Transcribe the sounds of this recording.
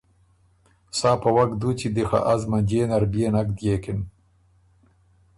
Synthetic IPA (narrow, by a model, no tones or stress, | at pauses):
saːpawaɡd̪ut͡ɕid̪ixa̰ʔazmand͡ʑeːnaɾbjeːnak̚d̪jeːkɪn